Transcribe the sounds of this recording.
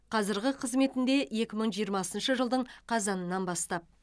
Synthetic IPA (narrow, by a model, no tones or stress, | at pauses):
qʰɑzɪɾɡʲɪqʰəzme̞t̪ɪnd̪e̞je̞kʲɪməɴʒijəɾmɑsənʃəʒəlˠd̪əɴqʰɑzɑnənɑnbɑst̪ɑp̚